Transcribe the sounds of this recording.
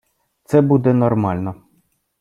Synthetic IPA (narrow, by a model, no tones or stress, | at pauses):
t̪sɛbud̪ɛnɔrmalʲnɔ